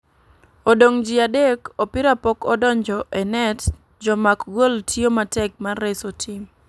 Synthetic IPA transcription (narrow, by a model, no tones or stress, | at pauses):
odoŋd͡ʒiadekopɪɾapɔkɔdɔɲd͡ʒɔʔɛnɛt | d͡ʒɔmakɡoltʰjomatɛk̚marːɛsotʰim